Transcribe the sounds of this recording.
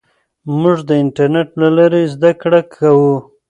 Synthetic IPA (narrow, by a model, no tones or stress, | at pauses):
muʐd̪əɪɳʈaɾneʈlalaɾezd̪akɽakʰawu